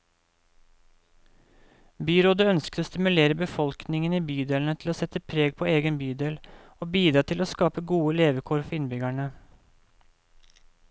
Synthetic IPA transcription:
byːɾoːd̪əœnskt̪oːst̪ɪmʉleːɾəbəfɔlknɪŋəniːbyːd̪eːln̩ət̪ʰl̩oːsɛt̪əpʰɾeːɡ̚pʰoːeːɡənbyːd̪eːl | oːbiːd̪ɾɑːt̪ʰɪloːskɑːpəɡuːəleːʋəkʰuːɾfɔɪnbʏɡæɳə

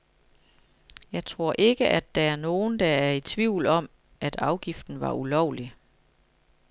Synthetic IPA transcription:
jɑ̈ɪt͡sʰʁo̝ɐ̰ʔe̝ɡ̥əʔæd̥ːææɐno̝ːn̩d̥ɑæɐit͡sʰʋiʊ̰lɒ̽m̰ | ʔæd̥ɑ̈ʊɡ̥ifd̥n̩ʋɑ̈ulɒʊ̰li

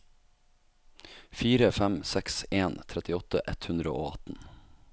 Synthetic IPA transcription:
fiːɾəfæmsɛkseːnt̪ʰɾɛt̪ɪɔt̪ə̰ʔɛt̪hʉnd̪ɾə̰oːɑt̪n̩

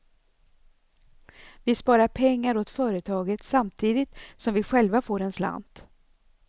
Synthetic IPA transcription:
vɪspɑːɾaɾpʰɛŋːaɾot̪fœːɾət̪ʰɑːɡət̪samt̪ʰiːd̪ɪt̪sɔmvɪɧɛlvafoːɾɛnsla̰nd̪̥

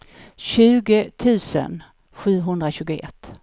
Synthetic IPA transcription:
ɕʉ̟ːɡət̪ʰʉ̟ːsə̰n | ɧʉ̟ːɦɵnd̪ɾaɕʉ̟ːɡʊɛ̰t̪ː

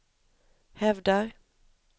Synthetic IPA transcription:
hɛvd̪aɾ

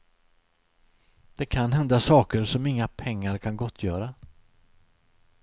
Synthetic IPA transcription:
d̪̥ɛkʰanɦɛnd̪asɑːkəɾʂɔmɪŋːapʰɛŋːaɾkʰanɡɔt̪ʰːjœːɾa

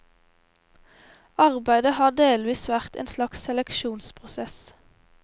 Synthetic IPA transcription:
ɑʁbæɪd̪əhɑːd̪eːlʋiːsʋæʁt̪ḛːnslɑksɛlɛkʃuːnspʰʁʊsɛs

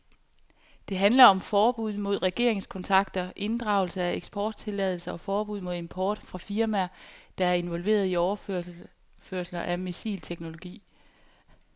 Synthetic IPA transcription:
d̥e̝ɦænlɐɒ̽mfɒːb̥uð̞̰ˠmo̝ð̞̰ˠʁɛɡ̥e̝̰ɐ̰e̝ŋskʰɒ̽nt͡sʰɑ̈ɡ̥d̥ɐʔe̝nd̥ʁɑ̈ʊl̩səæeɡ̥sb̥ʰɒːd̥̚t͡sʰe̝lɛð̞ˠl̩sɐɒ̽fɒːb̥uð̰ˠmo̝ð̞ˠe̝mpʰɒːd̥fʁɑ̈fiɐmæɐd̥ɑ̈æɐe̝nʋɒ̽lʋe̝̰ːɐð̞ˠiɒʊɐø | føɐ̰slɐʔæmesḭːlt͡sʰeɡ̥no̝lo̝ɡ̥ḭː

